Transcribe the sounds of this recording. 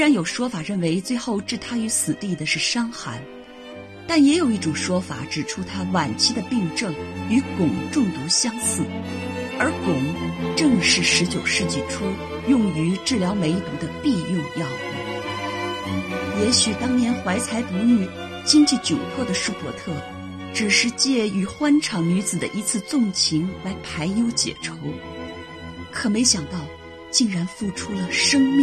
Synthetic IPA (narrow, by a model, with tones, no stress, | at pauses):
e˥ɻa˧˥njo˨˩ʊʂwɔ˥fa˨˩ɻə˥˩nwe˧˥ɪt͡swe˥˧ɪxo˥˧ʊʈ͡ʂɻ̩˥˩t̪ʰa˥y˧˥sɹ̩˨˩t̪i˥˩d̪ə˩ʂɻ̩˥˩ʂɑ˥ŋxa˧˥n | t̪a˥˩njɛ˧˥jo˨˩ʊi˥˩ʈ͡ʂʊ˨˩ŋʂwɔ˥fa̰˨˧˩ʈ͡ʂɻ̩˨˩ʈ͡ʂʰu˥t̪ʰa˥wa˨˩nt͡ɕʰi˥d̪ə˨pi˥˧ŋʈ͡ʂɤ˥˩ŋy˧˥kʊ˨˩ŋʈ͡ʂʊ˥˩ŋt̪u˧˥ɕjɑ˥ŋsɹ̩˥˩ə˞˧˥kʊ˨˩ŋʈ͡ʂɤ˥˧ŋʂɻ̩˥˩ʂɻ̩˧˥t͡ɕjo˨˩ʊʂɻ̩˥˧t͡ɕi˥˩ʈ͡ʂʰu˥ | jʊ˥˩ŋy˧˥ʈ͡ʂɻ̩˥˩ljɑ˧˥ʊme˧˥ɪ˧t̪ʊ˨˩d̪ə˦˧pi˥˧jʊ˥˧ŋjɑ˥˩ŋ̰˨˩˦ | jɛ˧˥ɕy˨˩t̪ɑ˥ŋnjɛ˧˥nxwa˧˥ɪt͡sʰa˧˥ɪpu˧˥ny˥˩ | t͡ɕi˥ŋt͡ɕi˥˩t͡ɕjo˨˩ʊpʰwɔ˥˩d̪ə˩ʂu˥˩pwɔ˧˥t̪ʰɤ˥˩ | ʈ͡ʂɻ̩˨˩ʂɻ̩˥˧t͡ɕjɛ˥˩y˨˩xwa˥nʈ͡ʂʰɑ˧˨˥ŋny˧˥t͡sɹ̩˨˩d̪ə̰˦ʔi˧˥t͡sʰɹ̩˥˧t͡sʊ˥˩ŋt͡ɕʰi˧˥ŋla˧˥ɪpʰa˧˥ɪjo˧˥ʊt͡ɕjɛ̰˨˩ʈ͡ʂʰo˧˥ʊ | kʰɤ˨˩me˧˥ɪɕjɑ˨˩ŋt̪ɑ˥˧ʊ | t͡ɕi˥˩ŋɻa˧˥nfu˥˩ʈ͡ʂʰu˥lə˨ʂɤ˥ŋmi˥